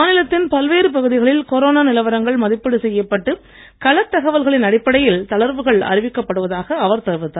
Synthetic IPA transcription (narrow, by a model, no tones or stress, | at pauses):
nɪlɐt̪ːɪnpɐlʋeːɾɯpɐɣɯðɪɣɐɭɪlkɔɾoːnaːnɪlɐʋɐɾɐŋɡɐɭmɐðɪpːɐɽɯsɛjːɐpːɐʈːɯ | kɐɭɐt̪ːɐɣɐʋɐlɣɐɭɪnɐɽɪpːɐɽɐjɪlt̪ɐɭɐɾʋɯɣɐɭɐ̰ɾɪʋɪkːɐpːɐɽɯʋɐðaːɣɐːʋɐɾt̪ɐɾʋɯt̪ːaː